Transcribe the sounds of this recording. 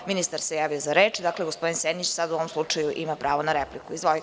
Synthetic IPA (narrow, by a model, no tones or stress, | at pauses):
minist̪aɾsejaːʋio̞zaɾeːt͡ʃd̪akleɡospo̞d̪insenit͡ʃsad̪uoʋomslˠut͡ʂajuʔimapɾaːʋonaɾeplikuizʋoji